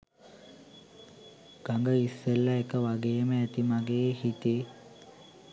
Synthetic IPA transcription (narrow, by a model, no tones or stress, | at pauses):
ɡ̥aŋɡəisːelːaekəʋaɡejməæt̪imaɡehit̪e